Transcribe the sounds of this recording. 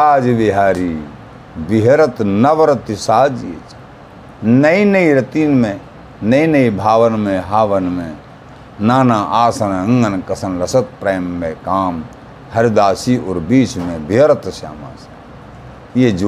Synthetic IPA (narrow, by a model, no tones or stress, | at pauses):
aːd͡ʒʋɪɦaːɾiː | bɪɦɾət̪nɐʋəɾɐt̪isaːd͡ʒḛt͡ʃ | nɐinɐiɾɐt̪iːnmẽ | nɐinɐibʱaːʋənmẽɦaːʋənmẽ | naːnaʔaːsɐnɐ̃ŋɡənkɐsɐnlɐsət̪̚pɾeːmːẽkaːm | hɐɾd̪aːsiɔːɾbiːt͡ʃmẽbiɦɾɐt̪sa̰ːma̰ːs | jed͡ʒ